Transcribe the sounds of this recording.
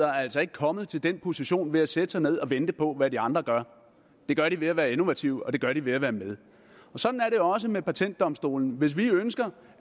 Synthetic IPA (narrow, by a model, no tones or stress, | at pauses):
ɐɐæl̰sɒ̽e̝ɡ̥ə̥kʰɒ̽məð̞̩ˠt͡sʰe̝ld̥enpʰo̝siɕo̝̰ːnʋe̝æsed̥əsɑ̈ɪne̝ð̞̰ˠɒ̽ʋend̥əpʰɒ̽ʋædiɑ̈nd̥ʁɐɡ̥ɶɐ | d̥e̝ɡ̥ɶɐɾiʋe̝æʋæːɐe̝no̝ʋæt͡sʰiʊɒ̽d̥e̝ɡ̥ɶɐɾ̥iʋe̝æʋæːɐmeðˠ | ɒ̽sɒ̽d̥n̩æɐɾe̝joɒ̽s̬əmepʰæt͡sʰen̰d̥ːɒ̽msd̥o̝̰ːln̩ʋe̝s̬ʋiønsɡ̥ɐ